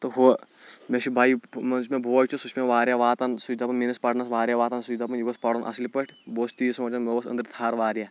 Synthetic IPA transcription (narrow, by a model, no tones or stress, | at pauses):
t̪oɦo | meʃʰibʱaːimɐnt͡ʃmẽbʱoːt͡ʃʰusut͡ʃʰmeʋaːɾʲjaːʋaːt̪ɐnsud͡ʒd̪apɐnminɐspɐʈnɐsʋaːɾjaːʋaːt̪ɐnsud͡ʒd̪apɐnjuɡɐspɐɽonʔɐ̰slipɐʈʰʲboːst̪iːsɐmɐt͡ʃɐnmɐɐsɐ̰nd̪ɾt̪ʰaːɾʋaːɾʲjaː